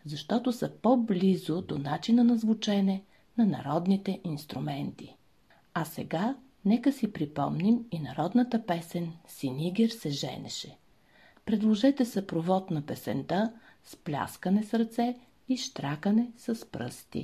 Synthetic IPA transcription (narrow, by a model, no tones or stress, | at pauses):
zɐʃt̪ɔt̪osɐpoblʲizʊd̪onat͡ʃinənɐzvʊt͡ʃɛnɛ | nɐnɐ̰ɾɔd̪nit̪ɛʔinst̪ɾumɛnt̪i | ɐsɛ̰ɡa | nɛkəsipɾipɔ̰mniminɐɾɔd̪nɐt̪əpɛsɛnsiniɡʲɛɾsɛʒɛ̰nɛ̰ʃɛ | pɾɛd̪lˠoʒɛt̪ɛsɐpɾovɔt̪nɐpɛsɛ̰nt̪a | splʲa̰skənɛsɾt̪sɛ | iʃt̪ɾakənɛsɐspɾɤ̰st̪ḭ